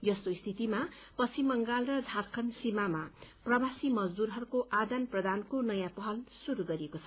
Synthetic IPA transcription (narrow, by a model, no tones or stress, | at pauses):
jʌsoist̪ʰit̪imapʌsʰimʌŋɡalrʌd͡zʱaɾkʰʌnsimamaprʌbasimʌd͡zd̪uɾɦʌɾukoʔad̪anprʌd̪ankonʌjãpʌɦʌlsuɾuɡʌɾiekot͡sʰʌ